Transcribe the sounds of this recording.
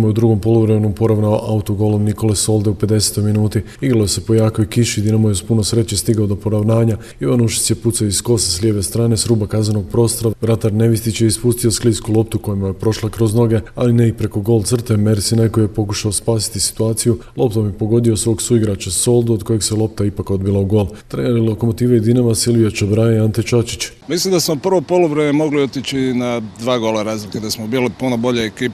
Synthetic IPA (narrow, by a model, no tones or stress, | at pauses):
mujeud̪ɾuɡo̞mpo̞lˠuvɾemenompo̞ɾaʋnaoʔaut̪oɡo̞ːlˠo̞mniko̞leso̞lˠd̪eupe̞d̪e̞se̥t̪o̞jminuːt̪iiɡɾalojese̞po̞jaːko̞jkiʃid̪inomujespuno̞sɾe̞t͡ɕest̪iɡaod̪o̞po̞ɾaʋnaːɲa | iʋanuʃi̥t̪sjeput̪saoisko̞seslʲjeʋe̞st̪ɾaːne̞sɾuːbakazenoɡ̚pɾo̞ːst̪oɾaʋɾat̪aɾne̞ʋist̪it͡ɕeispust̪ioskliːskulˠo̞p̚t̪uko̞jimajepɾo̞ʃlˠakɾo̞zno̞ɡe̞aline̞ipɾe̞ko̞ɡo̞ːlˠt̪sr̩t̪eme̞ɾsinajko̞jijepo̞kuʃaospaːsi̥t̪isi̥t̪uaːt̪sijulˠo̞pt̪omjepo̞ɡo̞d̪iosʋo̞ːɡsuiɡɾat͡ɕaso̞lˠd̪uod̪ko̞je̞ɡselˠo̞p̚t̪aipako̞d̪bilauɡo̞ːlˠt̪ɾeneliloko̞mo̞t̪iːʋeid̪inaʋasilˠʋiot͡ʃobɾaiant̪et͡ʃat͡ʃit͡ɕ | mislimd̪asmopr̩ʋopolˠuʋɾememo̞ɡliot̪it͡ɕinad̪ʋaːɡolaɾaːzliked̪asmobiːjlipunobo̞ʎeekiːp